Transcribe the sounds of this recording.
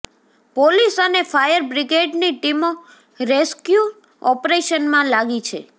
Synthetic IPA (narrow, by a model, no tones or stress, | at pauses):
polisənefajəɾbɾiɡeɖniʈimo | ɾeskju | ɔpɾeʃənmãlaɡit͡ʃʰe